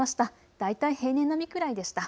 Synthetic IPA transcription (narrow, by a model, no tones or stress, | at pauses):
aɕi̥t̪a | d̪̥ait̪aihe̞ːnẽ̞nːamʲikɯ̟ɾaid̪e̞ɕi̥t̪a